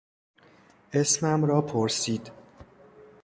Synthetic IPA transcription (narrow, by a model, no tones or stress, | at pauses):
ʔesmæmɾɒːpʰoɾsiːd̪̥